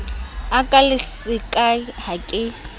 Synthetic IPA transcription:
akʼalɪsɪkʼaɦakʼɪ

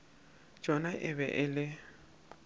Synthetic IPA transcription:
d͡ʒ̥ʱɔnaʔɪβɛʔɪlɪ

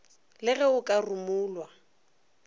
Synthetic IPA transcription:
lɪɣɛʊkʼarʊmʊːlwa

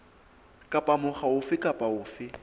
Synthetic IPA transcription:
kʼapʼamʊχaʊfɪkʼapʼaʊːfɪ

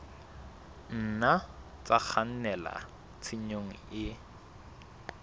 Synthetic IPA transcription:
n̩na | t͡sak͡xʰan̩nɛla̰ | t͡sʰiɲoŋ̩ɪ

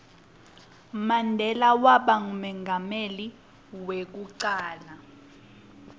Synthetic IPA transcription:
mandʱɛlawaɓaŋumɛŋɡʱameli | wek̬uǀaːla

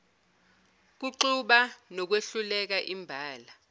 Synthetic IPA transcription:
k̬uǃuɓanɔk̬weɬulɛk̬aʔimbʱaːla

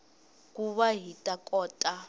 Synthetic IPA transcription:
kuβaɦitʼakʼɔːtʼa

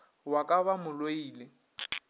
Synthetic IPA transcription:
wakʼaβamʊloiːlɪ

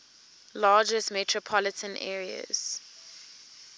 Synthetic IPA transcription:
lɑːd͡ʒəsmɛtʰɹɔpʰɔlɪtʰə̃nʔɛ̰ːɹiə̰z̥

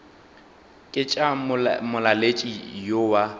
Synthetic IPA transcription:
kʼɪt͡ʃʼamʊlalet͡ʃʼijowa

